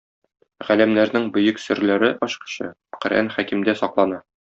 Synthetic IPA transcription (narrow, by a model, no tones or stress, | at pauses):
ʁælæmnæɾnɘŋbɵ̆jɘksɵ̆ɾlæɾɘʔɒɕqɤ̥̆ɕɤ̰ | qɵ̆ɾʔæ̰nχækimd̪æsɒqlˠɑnɑ